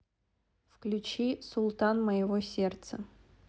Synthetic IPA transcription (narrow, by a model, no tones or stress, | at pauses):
fklʲʉt͡ɕisʊlˠt̪anməjɪvosʲert̪sə